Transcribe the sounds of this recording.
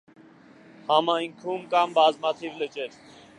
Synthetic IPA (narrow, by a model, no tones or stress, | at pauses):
hɑmajŋkʰumkɑmbɑzmat̪ʰivlət͡ʃɛt͡s